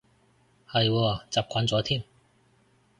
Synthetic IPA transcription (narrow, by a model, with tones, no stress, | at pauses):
ha˧˩jwɔ˥˩t͡sa˨˩p̚kʰa˨˥nt͡swɔ˨˥t̪ʰi˥˨n